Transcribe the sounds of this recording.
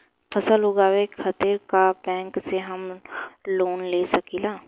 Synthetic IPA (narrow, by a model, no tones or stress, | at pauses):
pʰɐsəlɦoːɡaːwekʰɐt̪iɾkabɛ̃ːŋkseɦɐmloːnleːsɐkilaː